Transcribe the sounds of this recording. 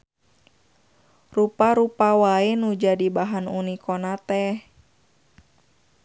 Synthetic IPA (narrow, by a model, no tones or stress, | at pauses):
rupaɾupawaenud͡ʒadibaɦanunikɔnat̪ɛh